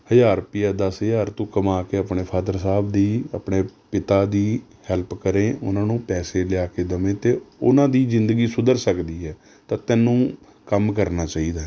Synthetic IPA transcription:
həjaːɾpɪjaːd̪asəjaːɾt̪ũːkəmaːkeːəpneːpʰaːd̪əɾsaːbd̪iːa̰ːpɳeːpɪt̪aːd̪iːhɛlpkəɾẽːʔʊnãːnũːpɛːseːlɪjaːkeːd̪əmẽːt̪eːʊnãːd̪iːzɪnd̪əɡiːsʊd̪əɾsəkd̪iːɦɛː | t̪ãːt̪ɛːnũː | kəmkəɾnaːt͡ʃaːiːd̪aː

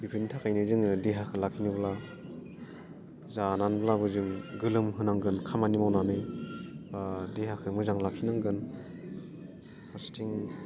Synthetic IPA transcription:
bipʰinitʰakajnɯzɯŋɯdeɦakʰɯlakʰinɯbla | zananblabɯzɯŋɡɯlɯmɦɯnaŋɡɯnkʰamanimawnanɯ | badeɦakʰɯmɯzaŋlakʰinaŋɡɯn | hʰastʰiŋ

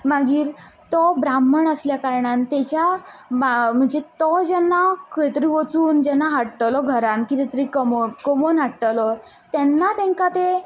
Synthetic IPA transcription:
maɡiːɾt̪ɔbɾamːəɳəsljakaɾɳant̪ɛt͡ɕja | m̤əɳd͡zet̪ɔd͡ʑɛnːakəjt̪əɾiʋət͡suːnd͡ʑɛnːaɦaɽʈəlɔɡʱəɾankit̪ɛt̪əɾikəmokɔmonɦaʈʈəlɔ | t̪ɛnːat̪ɛ̃ŋkat̪e

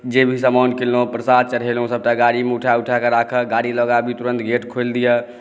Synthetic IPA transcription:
d͡ʒebʱisəmankelːopɾəsad̪̚t͡ʃəɽɦelɦõsəb̚ʈaɡaɽimeuʈʰauʈʰakeɾakʰəɡaɽiləɡabʱit̪uɾə̃nt̪ɡeʈkʰold̪ijə

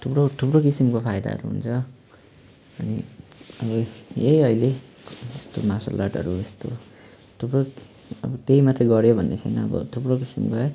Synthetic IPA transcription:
t̪ʰupɽot̪ʰupɾokisimkopʰajd̪a̰ɦʌ̰ɾuɦṵnt͡sʰʌ | ʌniʌbʌjejʌjle | est̪omasa̰lːaʈʌ̰ɾuest̪o | t̪ʰupro | ʌbʌt̪eimat̪reɡʌɾjobʱʌnːet͡sʰʌjnʌːbʌ̰t̪ʰupɽokisḭmkoaj

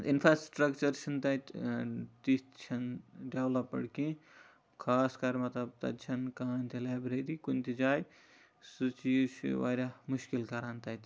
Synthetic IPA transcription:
ḭnpʰɾasʈɾɐkt͡ʃɐɾt͡ʃʰɐnt̪ɐt̪t̪ist̪t͡ʃʰɐnɖewlɐpːɐ̰ɽkĩ | kʰaːskɐɾmɐt̪lɐb̚t̪ɐ̰t̪t͡ʃʰɐnkaːnt̪ilabɾeɾikunʲt̪id͡ʒaːj | sut͡ʃisʋa̰ɾʲamuʃkilkɐɾant̪ɐt̪

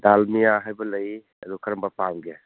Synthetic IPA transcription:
dalmijaɦajbɐlɐj | ɐdukʰɐɾɐmbapamɡe

